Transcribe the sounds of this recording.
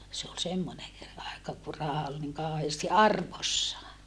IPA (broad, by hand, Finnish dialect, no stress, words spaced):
se ol semːone ɑekɑ ku rɑhɑ ol niŋ kɑˑoheːsti ɑrʋosːɑː